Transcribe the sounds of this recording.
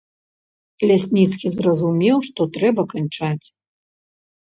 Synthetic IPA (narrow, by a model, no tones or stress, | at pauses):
lʲasʲnʲit̪skʲizrɐzumʲɛwʂt̪ɔt̪ɾɛbɐkant͡ʂat͡sʲ